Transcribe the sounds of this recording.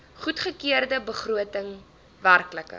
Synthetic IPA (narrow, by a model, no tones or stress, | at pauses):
χutχəkiərdəbəχruətəŋ | værkləkə̰